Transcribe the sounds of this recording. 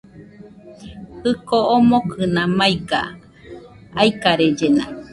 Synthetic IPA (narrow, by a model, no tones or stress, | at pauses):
hɨkoomokʰɨnãmaiɡa̰ | aikaɾed͡ʒena̰